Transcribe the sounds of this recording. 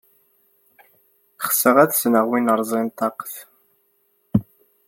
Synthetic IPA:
χəsəʁæðsnəʁwinəɾˤzˤint̪ˤɑqθ

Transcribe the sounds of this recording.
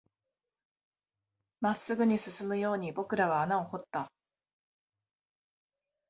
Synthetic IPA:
masːɨɡɯ̟ɲ̟isɨsɨmɯ̟jo̞ːɲ̟ibo̞kɯ̟ɾaβ̞aːnao̞ho̞t̪ːa

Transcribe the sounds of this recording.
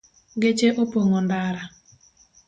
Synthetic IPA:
ɡet͡ʃeʔopoŋondaɾa

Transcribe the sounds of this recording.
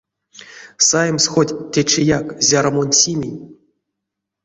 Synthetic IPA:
sajmsxodʲtʲːet͡ʃejakzʲaɾmonʲsʲimʲinʲ

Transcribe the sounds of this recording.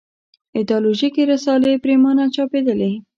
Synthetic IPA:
ɪd̪ɑloʒikeɾasɑlepɾemɑnat͡ʃɑped̪əle

